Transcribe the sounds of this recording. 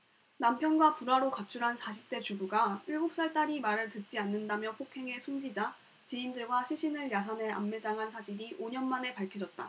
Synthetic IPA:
nampʰjʌnɡwapuɾaɾokat͡ɕʰuɾɦansaɕʰi̥p̚t͈e̞t͡ɕuɡuɡaiɭɡop̚s͈aɭt͈aɾimaɾɯɭtɯt̚t͡ɕ͈ianːɯndamjʌpʰokʰe̞ŋe̞sʰund͡ʑid͡ʑa | t͡ɕiindɯɭɡwaɕʰiɕʰinɯɭjasʰanɦe̞a̰mːed͡ʑaŋɦansʰad͡ʑiɾiʔoɲʌnmane̞paɭkʰjʌd͡ʑʌt̚t͈a

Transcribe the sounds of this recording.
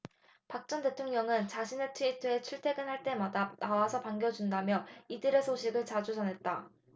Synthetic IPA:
pak̚t͡ɕ͈ʌnte̞tʰoŋɲʌŋɯnt͡ɕaɕʰinetʰɯitʰɯe̞t͡ɕʰuɭtʰe̞ɡɯnɦaɭt͈e̞madanawasʰʌpaŋɡjʌd͡ʑundamjʌidɯɾe̞sʰoɕʰiɡɯɭt͡ɕad͡ʑud͡ʑʌnɦe̞t̚t͈a

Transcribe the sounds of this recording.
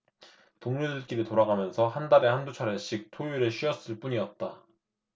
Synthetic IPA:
poŋɲudɯk͈iɾitoɾaɡamjʌnsʰʌhandaɾe̞handut͡ɕʰaɾeɕ͈ʰik̚tʰojuɾɯɕ͈ʰiʌs͈ɯɭp͈uɲiʌt̚t͈a

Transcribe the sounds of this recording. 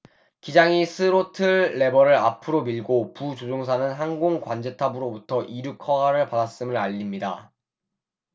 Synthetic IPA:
kid͡ʑaŋisʰɯɾotʰɯːe̞bʌɾɯɾa̰pʰɯɾomiɭɡoput͡ɕod͡ʑoŋs̬ʰanɯnɦaŋɡoŋkwand͡ʑe̞tʰabɯɾobutʰʌʔiɾukʰʌɦaɾɯɭpadas͈ɯmɯɾaʎːimɲida

